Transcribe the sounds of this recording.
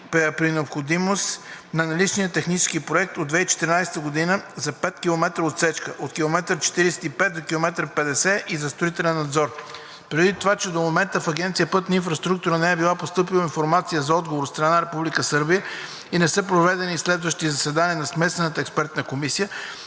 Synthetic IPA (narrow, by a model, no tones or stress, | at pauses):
ppɾinɛopxod̪imost̪nɐnɐlit͡ʃnijət̪ɛxnit͡ʃɛ̥skipɾoɛk̚t̪od̪d̪vɛit͡ʃɛ̥t̪iɾinajsɛ̥t̪əɡod̪inəzɐpɛt̪kʲilˠomɛt̪ɾəot̪sɛt͡ʃkəʔot̪kʲilˠomɛt̪ɾət͡ʃɛ̥t̪iɾisɛ̥t̪ipɛt̪̚d̪okʲilˠomɛt̪ɾəpɛd̪ɛsɛʔizɐst̪ɾoit̪ɛlɛnːɐd̪zɔɾ | pɾɛd̪it̪ovat͡ʃɛd̪omomɛnt̪əfɐɡɛnt̪sijəpɤt̪ninfɾɐst̪ɾukt̪uɾənɛɛbilˠapost̪ɤpilˠoinfoɾmat̪sijəzɐɔd̪̚ɡovoɾst̪ɾɐnaɾɛpublikəsɤɾbijə | inɛsɛpɾovɛd̪ɛnislɛd̪vəʃt̪izɐsɛd̪aniənɐsmɛst̪vɛnət̪əɛkspɛɾt̪nɐkomisijə